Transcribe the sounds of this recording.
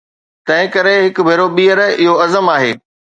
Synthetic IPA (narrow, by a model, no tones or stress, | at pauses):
t̪ɐ̃ɦɪ̃kɐɾeɦɪkʊbʱeːɾoɓiːəɾɪɦoɐzəmaːɦeː